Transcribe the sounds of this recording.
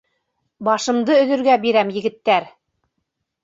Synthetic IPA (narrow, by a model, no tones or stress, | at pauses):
bɑʃɤ̆md̪ɤɵ̆ðɵ̆ɾɡæbiɾæmjɘ̆ɡɘ̆t̪ːæɾ